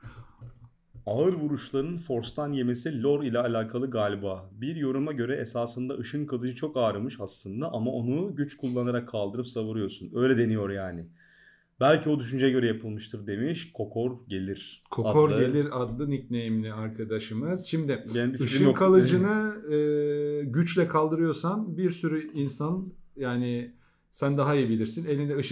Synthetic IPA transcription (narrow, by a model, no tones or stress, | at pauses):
aːɯɾvuɾuʃlˠaɾɯnfo̞ɾst̪ʰanje̞mesilʲo̞ɾilʲɛːlʲaːkʰalˠɯɡalʲbabiɾjo̞ɾumaɟø̞ɾɛʔesaːsɯnd̪aɯʃɯnkʰalˠɯd͡ʒɯt͡ʃʰo̞kaːɾɯmɯʃaslˠɯnd̪aʔamao̞nuɟyt͡ʃkʰulˠːanaɾakʰːalˠd̪ɯɾɯpsavɯɾɯjo̞ɾsunø̞jlʲɛd̪e̞nijo̞ɾjaːnɪ | bælʲcʰio̞d̪yʃynd͡ʒɛɟø̞ɾɛjapʰɯlˠmɯʃt̪ʰɯɾd̪e̞miʃkʰo̞kʰoɾɟe̞lʲiɾ̥kʰo̞kʰoɾɟe̞lʲiɾad̪lˠɯnic̚nejimilʲiaɾkʰad̪aʃɯmɯz̥ʃimd̪ɪbɯʃɯkʰalˠɯd͡ʒɯnɯɯːɟyt͡ʃlʲɛkʰalˠd̪ɯɾɯjo̞ɾsanbiɾsyɾyinsanjaːnɪ | sænd̪aɦaijibilʲiɾsine̞lʲind̪ɛɯʃ